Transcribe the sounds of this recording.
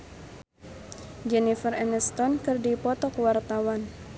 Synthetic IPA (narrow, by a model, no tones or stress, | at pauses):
d͡ʒɛnifərɛnəst̪ɔnkɨrdipɔt̪ɔkwart̪awan